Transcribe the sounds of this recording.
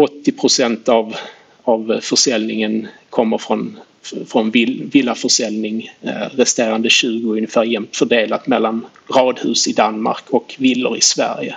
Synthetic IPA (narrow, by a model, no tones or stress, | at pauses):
ɔt̪ːɪpʰɾʊsɛnt̪av | avfœʂɛlnɪŋənkʰɔmːəɾfɾɔn | fɾɔnɪvɪlːafœʂɛlnɪŋɾɛst̪eːɾand̪əɕʉ̟ːɡʊɵnːɪfæːɾjɛmt̪fœɖeːlat̪mɛlːan | ɾɑːd̪hʉ̟ːsɪd̪anma̰ɾkʰɔkvɪlːʊ̰ɾɪsvæ̰ɾjə̰